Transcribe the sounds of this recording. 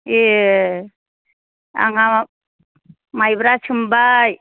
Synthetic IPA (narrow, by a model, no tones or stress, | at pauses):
e | a̰ŋa | majbɾat͡ʃʰumbaj